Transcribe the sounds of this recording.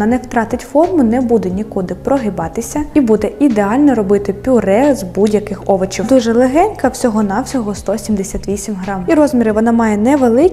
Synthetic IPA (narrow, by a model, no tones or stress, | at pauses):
nɐnɛwt̪ɾɑt̪ɪtʲfɔrmʊnɛbud̪ɛnʲikud̪ɪpɾɔɦɪbɑt̪ɪsʲɐibud̪ɛid̪eɑlʲnɔɾɔbɪt̪ɪpʲʊɾɛzbudʲjɐkɪxɔʋɐt͡ʃid̪uʒɛlˠeɦɛnʲkɐwsʲɔɦɔnɑwsʲɔɦɔst̪ɔsʲimd̪esʲat̪ʋʲisʲimʲɦɾɑmiɾɔzmʲiɾɪʋɔnɑmɑjɛnɛʋelˠɪkʲ